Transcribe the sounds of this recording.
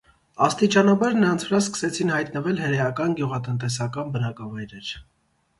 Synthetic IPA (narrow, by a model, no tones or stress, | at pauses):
ɑst̪it͡ʃɑnɑbɑɾnəɾɑnt͡sʰvəɾɑskə̥sɛt͡sʰinhɑjt̪nəvɛlhəɾɛjɑkɑnɡjuʁɑt̪ənt̪ɛs̬ɑkɑnbənɑkɑvɑjɾɛɾ